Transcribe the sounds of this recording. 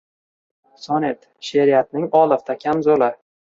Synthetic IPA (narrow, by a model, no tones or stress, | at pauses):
sɒnet̪ | ʃeɾijat̪̚nɪŋɒlˠɨft̪ʰakʲʰamzolɪ